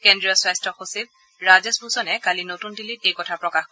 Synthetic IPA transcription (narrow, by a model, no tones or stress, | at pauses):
kendɹijɔswajstɔxosib̚ | ɹazɛsbusɔnɛkalinotundilitejkɔtʰapɹɔkaxkɔ